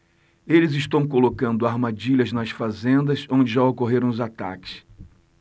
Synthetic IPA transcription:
elɪzɪʃt̪ɐ̃w̃kolokɐ̃nd̪ʊaɾmad͡ʒiʎɐznɐsfazẽnd̪ɐsõd͡ʒɪʒaokoɦeɾɐ̃w̃ʊzat̪a̰kɪ̥s

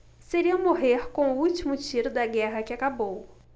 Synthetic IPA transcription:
seɾiɐ̃moɦeɾkõw̃ʊut͡ʃimʊt͡ʃiɾʊd̪ɐɡɛɦɐkɪakabow

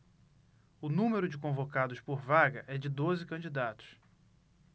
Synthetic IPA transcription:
ʊnũmeɾʊd͡ʒɪkõvokad̪ʊspoɾvaɡɐʔɛd͡ʒɪd̪ozɪkɐ̃d͡ʒid̪at̪ʊ̥s

